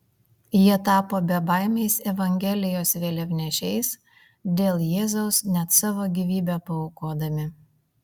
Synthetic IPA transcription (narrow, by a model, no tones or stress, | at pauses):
jiɛt̪ɑːpoːbʲɛbɑˑɪmʲɛɪsɛʋɐŋʲɡʲɛlʲɪjoːsʋʲeːlʲɛʋʲnʲɛʃʲɛɪs | d̪ʲeːlˠjeːzɐʊsnʲɛt̪sɑːʋoːɡʲiːʋʲiːbʲɛpɐoʊkoːd̪ɐmʲɪ